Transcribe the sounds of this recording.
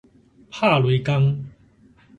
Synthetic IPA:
pʰa˥˨lwe˨˧˦ka˦ŋ

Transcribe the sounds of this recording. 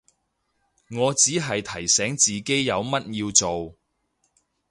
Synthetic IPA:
ŋɔː˨˧t͡siː˨˥ɦɐ˨jt̪ʰɐ˨˩jsɛː˨˥ŋt͡siː˨ke˥jːɐ˨˧wmɐ˥t̚jiː˧wt͡so˨w

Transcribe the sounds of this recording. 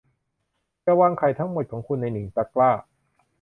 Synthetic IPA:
ja˧˩waː˧˩ŋkʰa˨˩jt̪ʰa˦˥ŋmo˨˩t̪̚kʰɔː˩˦ŋkʰu˧nːa˧jni˩˦ŋt͡ɕa˧klaː˥˩

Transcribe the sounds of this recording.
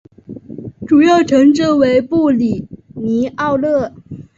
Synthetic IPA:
ʈ͡ʂu˨˩jɑ˥˩ʊʈ͡ʂʰɤ˧˥ŋʈ͡ʂɻ̩˥˩we˧˥ɪpu˥˩li˨˩ni˧˥ʔɑ˥˧ʊlɤ˥˩

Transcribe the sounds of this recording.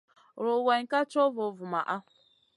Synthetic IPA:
ɾo˨we˨ŋ̩˨ka˦t͡ʃo˦vo˨vʊ˨ma˨ʔa˦˨

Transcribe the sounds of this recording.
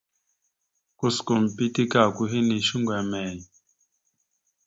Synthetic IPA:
ku˦sku˨m˨pi˦ti˦ka˦˨ku˦ɦi˦ni˨ʃu˦ŋɡwɛ˨mɛ˨ɲ˨

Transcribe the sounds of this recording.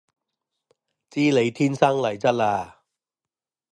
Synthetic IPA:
t͡siː˥le˨˧jt̪ʰiː˥nsɐ˥ŋlɐ˨˩jt͡sɐ˥t̚laː˧

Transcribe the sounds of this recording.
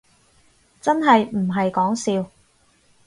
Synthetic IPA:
t͡sɐ˥nɦɐ˨jm̩˨˩ɦɐ˨jkɔː˨˥ŋsiː˧w

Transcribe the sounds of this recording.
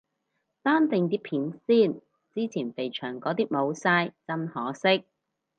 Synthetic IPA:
t̪aː˥nt̪ɪ˨˧ŋt̪̬iː˥pʰiː˨˥nsiː˥˩n | t͡siː˥t͡sʰiː˨˩npe˨jt͡ʃʰœː˨˩ŋkɔː˨˥t̪iː˥k̚mo˨˧wsaː˧jt͡sɐ˥mhɔː˨˥sɪ˥k̚

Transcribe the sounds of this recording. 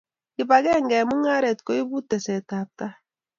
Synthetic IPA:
i˨ba˨ɡɛ˦ŋɡɛ˨mu˦ŋa˦ɾɛ˨tko˨˦i˦bu˦tɛ˨sɛ˨ta˨ta˦

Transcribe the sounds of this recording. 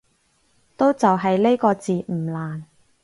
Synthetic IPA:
t̪o˥wt͡sɐ˨wɦɐ˨jle˥jkɔː˧t͡siː˨m̩˨˩laː˨˩n

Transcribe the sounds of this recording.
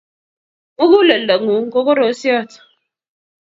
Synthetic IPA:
ŋʊ˦ɡu˦le˨le˨ŋu˨ŋ̩˦ko˦ko˦ɾo˨˦si˦ɔ˦˨tɔ̥˨

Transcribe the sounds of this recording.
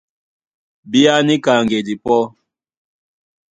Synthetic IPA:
bi˦a˦ni˦ka˨ŋɡe˨di˨pɔ˦

